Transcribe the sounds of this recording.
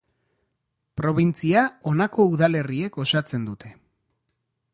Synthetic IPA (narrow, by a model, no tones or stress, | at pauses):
pɾo̞βint͡siao̞nako̞uðale̞rie̞ko̞sat͡se̞nd̪ut̪e̞̥